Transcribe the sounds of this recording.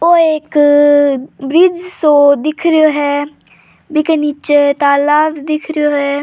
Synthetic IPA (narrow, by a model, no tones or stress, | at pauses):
oːeːk | bɾɪd͡ʒsõd̪ɪkʰɾəoɦɛː | bɪkenit͡ʃet̪aːlaːdd̪ɪkʰɾəjoɦɛː